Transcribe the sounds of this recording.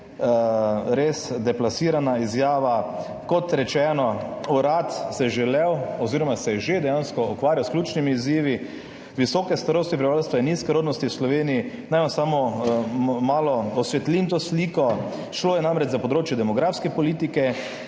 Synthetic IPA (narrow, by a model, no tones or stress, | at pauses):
ɾesd̪ɛplasiːɾanaizjaːʋa | kɔt̪ɾɛt͡ʃɛːnɔuɾat̪sɛʒɛlɛwɔziːɾɔmasɛʒed̪ɛjanskɔɔkʋaːɾjawsklʲuːt͡ʃnimiːziːʋi | ʋisɔːkɛst̪aɾost̪ipɾibʋalst̪ʋajinːiskɛɾoːd̪nɔst̪iwslɔʋeːniː | najmansamɔ | maːlɔɔsʋɛt̪lint̪oːsliːkɔ | ʃloːjɛnamɾɛt͡ʃzapɔd̪ɾoːt͡ʃjɛd̪ɛmɔɡɾafskɛpɔliːt̪ikɛ